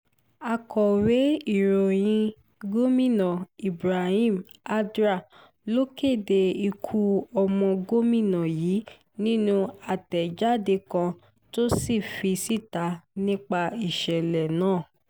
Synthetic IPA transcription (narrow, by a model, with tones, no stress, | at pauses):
a˧kɔ˨we˨˦i˦˨ɾo˨j̃ĩ˧ | ɡo˦mĩ˦˨nã˨i˨bɾa˨hĩ˦˨ma˦dɾa˦˨ | lo˦ke˦˨de˧i˧kʰu˧ɔ˧mɔ̃˧ɡo˦mĩ˦˨nã˨jiː˨˦ | nĩ˦nũ˧a˨tɛ˨d͡ʒa˦de˧kã˧ | to˦si˦˨fi˧si˦˨ta˨˧˦nĩ˦k͡pa˧i˨ʃɛ˨lɛ˨nãː˦˨